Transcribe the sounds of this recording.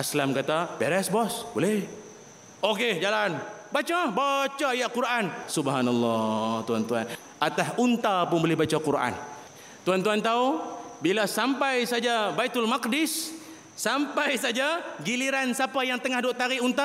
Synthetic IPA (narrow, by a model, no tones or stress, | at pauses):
ʔaslamkat̪abɛɾɛsbɔsbolɛh | oked͡ʒalanbat͡ʃabat͡ʃajakuɾʔansubɦanalːɑt̪uant̪uan | ʔat̪asunt̪apʊnbolɛhbat͡ʃakuɾʔa̰n | t̪uant̪uant̪aubilasampajsad͡ʒabajt̪ʊlmakdɪsː | ampajsad͡ʒaɡiliɾansapajaŋt̪əŋahdoʔt̪aɾiunt̪a